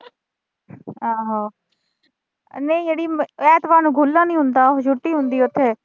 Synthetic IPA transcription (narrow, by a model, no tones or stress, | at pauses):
aːɦaː | neĩːd͡ʒeɽiːmɛːt̪ʋaːnũːɡʱulːãːnĩːɦʊ̃nd̪aːd͡ʒʱʊʈːiːɦʊ̃nd̪iːʊt̪ʰːeː